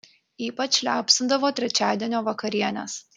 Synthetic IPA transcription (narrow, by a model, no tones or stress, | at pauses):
iːpɐt͡ʃʲlʲæːpʲsʲɪnd̪ɐʋoːt̪ʲɾʲɛt͡ʃʲæːd̪ʲiɛnʲoːʋɐkɐɾʲiɛnʲɛ̰s